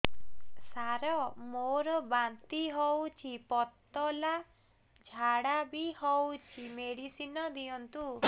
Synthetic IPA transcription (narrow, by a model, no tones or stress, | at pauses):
saɾɔmoɾɔbant̪iɦɔwt͡ʃʰipɔt̪ːɔla | d͡ʒʱaɽabihɔwt͡ʃʰimeɽisinɔd̪iɔnt̪u